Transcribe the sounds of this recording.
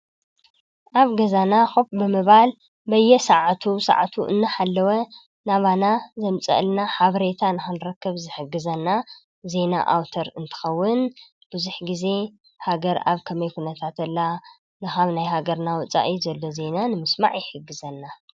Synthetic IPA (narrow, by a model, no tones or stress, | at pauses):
ʔaβɡɐzanaxupbɨmɨβal | bɐjːɛsaʕt̪ʰusa̰ʕt̪ʰuʔɨ̰nːɨħalːɐwɐ | naβanazɐmt͡sʼɐ̰ʔlnaħaβɾe̞t̪ʰanɨxɨnɾɐkːɨβzɨħɨɡːɨzɐnːa | ze̞na̰ʔawt̪ʰɐɾɨnt̪ʰɨ̥xɐwːʊn | b̥ɨzuħɡize̞ | haɡɐɾa̰βkʰɐmɐjkunɐt̪ʰat̪ɐlːa | nɨxaβnajhaɡɐɾnawʊt͡sʼa̰ʔizɐlːo̞ze̞nanɨmɨsma̰ʕjɪħɨɡːɨzɐnːa